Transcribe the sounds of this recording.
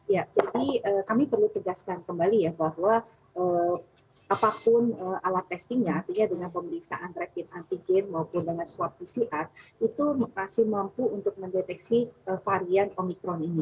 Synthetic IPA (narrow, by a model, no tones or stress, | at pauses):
jad͡ʒadiəːkamipərlut̪əɡaskankəmbalijabahwa | ʔəː | apapʊnəʔalat̪ːɛst̪iŋɲaːrt̪iɲadəŋanpəmbəliksa̰ʔant̪ɾɛkɪt̪̚ant̪iɡɛnmaupʊndəŋansuwap̪̚disiʔat̪̚it̪umasɪhmampuunt̪ʊk̚məndet̪ɛksiəfaɾianomikɾɔnini